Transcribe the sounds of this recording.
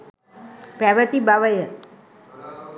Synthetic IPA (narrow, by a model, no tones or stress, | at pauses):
pɾaʋət̪ibaʋəjə